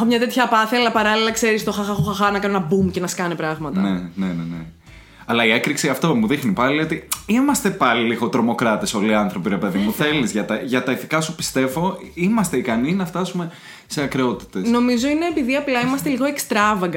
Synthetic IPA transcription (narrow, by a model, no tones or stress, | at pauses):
xomɲɐt̪e̞t̪çɐːpɐθiɐlɐpɐɾɐlilɐkse̞ɾist̪oxɐxɐxoxɐxɐnɐkɐnunɐbumcenɐskɐnepɾɐɣmɐt̪ɐ̰ne̞ne̞nene | ɐlɐiekɾiksiɐft̪o̞muðixnipɐliot̪iimɐst̪e̞pɐliliɣot̪ɾo̞mo̞kɾɐt̪eso̞liɐnθɾo̞piɾe̞pe̞ðimuθe̞lizʝɐt̪ɐʝɐt̪ɐiθikɐsupi̥st̪e̞vo̞imɐst̪eikɐninɐft̪ɐsume̞ | seɐkɾeo̞t̪i̥t̪esno̞mizo̞ineːpiðiɐplɐimɐst̪e̞liɣoekst̪ɾɐvɐɡɐ